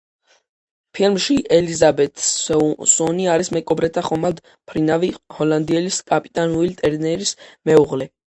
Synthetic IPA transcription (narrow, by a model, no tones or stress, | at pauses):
pʰilˠmʃiʔɛlizabɛt̪ʰʼsɔniaɾismɛkʼɔbɾɛt̪ʰaχɔmad̪ | pʰɾinavihɔland̪iɛliskʼapʼi̥t̪ʼanulit̪ʼɛɾnɛɾismɛuʁlɛ